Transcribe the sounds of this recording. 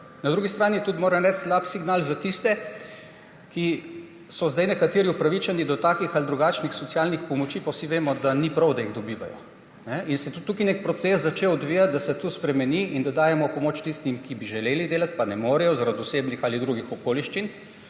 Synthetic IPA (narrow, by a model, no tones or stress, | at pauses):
naɐd̪ɾuɡist̪ɾaːnit̪ut̪moːɾɛmɾɛst̪slaːpsiɡnaːlzat̪ist̪ɛ | ki | sɔzd̪ajnɛkat̪eːɾiupɾaʋit͡ʃanid̪ɔt̪aːkixald̪ɾuɡaːt͡ʃnixsɔt̪siaːlnixpɔmɔt͡ʃiːpawsiʋeːmɔd̪anipɾɐwd̪ajiɣd̪ɔbiːʋa̰jɔ̰ | nɛʔinsɛt̪ut̪ːuːkinek̚pɾɔt̪seszat͡ʃewɔd̪ʋiːjat̪̚d̪asɛt̪uspɾɛmɛniind̪ad̪aːjɛmɔpɔmoːt͡ʃt̪ist̪imkibiʒɛleːlid̪eːlat̪panɛmoːɾɛjɔzaɾad̪ʊseːbnixalid̪ɾuɡixɔkoːliʃt͡ʃin